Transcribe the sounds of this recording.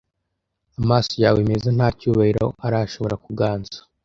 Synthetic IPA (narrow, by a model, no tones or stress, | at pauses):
amaːsojaːweme̞zen̥haːcuːβahiɾoʔaɾaʃo̞βo̞ɾakuɡaːnz̥ḁ